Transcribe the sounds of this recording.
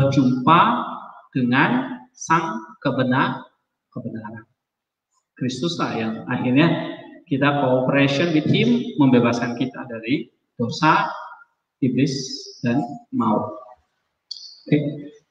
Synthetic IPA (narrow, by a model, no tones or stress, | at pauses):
d͡ʒumpad̥əŋansaŋkəbənar | kəbənaɾan | kɾist̪ʊslahjaŋa̰hirɲakit̪akoːpəɾesiɔnwit̪̚hɪmːəmbebaskankit̪a̰daɾi | d̥osa | iblɪsd̥anmau | ke